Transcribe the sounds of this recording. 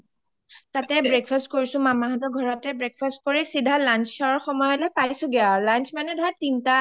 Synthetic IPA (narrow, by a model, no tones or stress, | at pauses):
tatɛbɹekfʰast̚koɹisʊ̃mamaɦatɔɡʱɔɹɔtɛbɹek̚fʰast̚koɹisidʱalanssaɹɔɹxɔmɔjɔlɔjpajsʊ̃ɡialansʰmanɛdʱatinta